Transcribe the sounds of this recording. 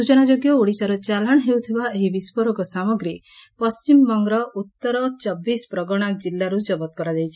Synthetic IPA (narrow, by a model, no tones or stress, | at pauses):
ut͡ʃɔnad͡ʒoɡjɔuɽisaɾɔt͡ʃalaɽ̃ɦewt̪ʰibaeɦibispɔɾɔkɔsamɔɡɾipɔst͡ʃimbɔŋɡɾɔut̪ːɔɾɔt͡ʃɔbːispɾɔɡɔɽ̃ak̚d͡ʒilːaɾud͡ʒɔbɔt̪̚kɔɾad̪ejt͡ʃʰi̥